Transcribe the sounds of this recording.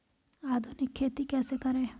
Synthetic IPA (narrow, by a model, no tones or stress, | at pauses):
aːd̪ʱunɪkʰːeːt̪ikɛːsekɐɾẽː